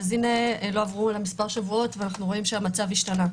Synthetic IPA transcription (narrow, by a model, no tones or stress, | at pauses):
zinelo̞avʁulamispaʁʃavuo̞tveanaχnuʁo̞imʃeamat͡saviʃtana